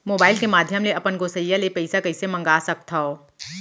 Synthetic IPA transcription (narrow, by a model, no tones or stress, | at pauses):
moːbaːɪlkemaːd̪ʱjəmleɐpənɡoːsəjːalepɛɪsakɐɪsemɐ̃ŋɡaːsɐk̚t̪ʰao